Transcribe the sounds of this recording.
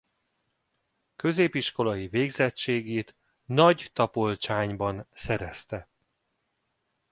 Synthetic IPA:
kø̞zeːpiʃko̞lɒjiveːɡzɛt͡ʃːeːɡeːt̪ | nɒɟt̪ɒpolt͡ʃaːɲbɒnsɛɾɛst̪ɛ

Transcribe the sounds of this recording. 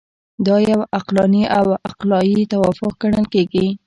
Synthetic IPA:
d̪ɑjawaqlɑniʔawaqlɑjit̪awɑfʊq̚ɡaɳəlkeɡi

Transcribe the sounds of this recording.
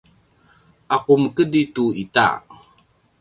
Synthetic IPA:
akuməkədituita̰

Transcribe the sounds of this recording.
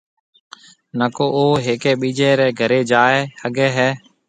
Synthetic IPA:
nəkoːoːɦeːkeːɓiːd͡ʒeːɾɛːɡʱəɾeːd͡ʒaːeːhəɡɛːɦɛː

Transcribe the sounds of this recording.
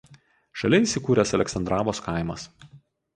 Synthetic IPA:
ʃɐlʲɛiˑsʲɪkuːɾʲɛsɐlʲɛksɐnd̪ɾɑːʋoːskaˑɪmɐs

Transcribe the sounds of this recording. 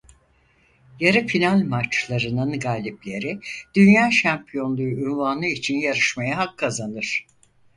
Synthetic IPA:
jaɾɯfinalʲmat͡ʃlˠaɾɯnɯnɡaːlʲiplʲe̞ɾid̪̥ynjaːʃampʰijo̞nlˠuynvanɯit͡ʃʰinjaɾɯʃmajaɦakʰːazanɯɾ̥

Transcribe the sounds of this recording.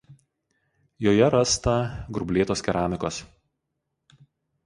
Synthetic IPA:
joːjɛɾɐst̪ɐɡɾʊbʲlʲeːt̪oːskʲɛɾaːmʲɪkoːs

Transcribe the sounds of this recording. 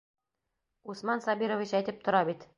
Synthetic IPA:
usmɑnsɒbiɾoviɕæjt̪ɘp̚t̪ŏɾɑbit̪

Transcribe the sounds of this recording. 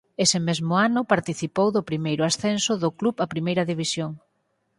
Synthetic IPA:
esɪmezmʊanʊpaɾt̪iθipowðʊpɾimejɾʊasθɛnsʊðʊkluβapɾimejɾɐðiβ̞isjoŋ

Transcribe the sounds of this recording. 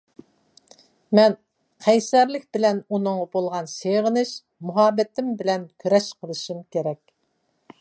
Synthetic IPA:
mɛn | qʰæjsɛɾlɪkʲbɪlɛnunɨŋbolˠʁɑnseʁənɨʃ | muɦɑːbɛt̪ʰɪmbɪlɛnkʲʰøɾɛʃqʰəlˠɨʃimkʲeɾɛkʲ

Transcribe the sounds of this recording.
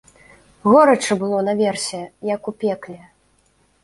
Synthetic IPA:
ɣɔɾɐt͡ʂɨbɨlˠɔnɐvʲɛrsʲɛjɐkupʲɛklʲɛ

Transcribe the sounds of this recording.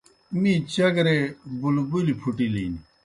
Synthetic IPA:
mĩt͡ɕɐɡɾebulubulipʰuʈiliːni

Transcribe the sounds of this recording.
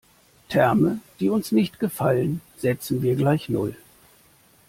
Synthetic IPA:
tʰɛɐməd̥iːʊnsnɪçtɡ̥əfalənz̥ɛt͡sn̩viːɐɡlaɪçnʊ̰l

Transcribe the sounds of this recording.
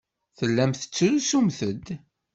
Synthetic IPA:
θəlːæmθə̥t͡sːɾusumθəd̪

